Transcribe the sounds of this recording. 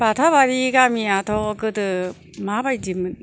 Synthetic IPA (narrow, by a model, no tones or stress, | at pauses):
bat̪ʰaβaɾiɡamiat̪ʰɔkɯdɯ | mabajdimɯn